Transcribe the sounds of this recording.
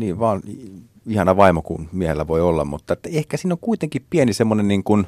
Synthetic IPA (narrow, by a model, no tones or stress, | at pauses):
niːʋʋɑːn | ihɑnɑʋɑimokṵnmiæhelːæʋoiolːɑ̰mmut̪ːɑet̪ːæehkæsiːnːoŋkuit̪eŋkippiænisemːonenniːŋkun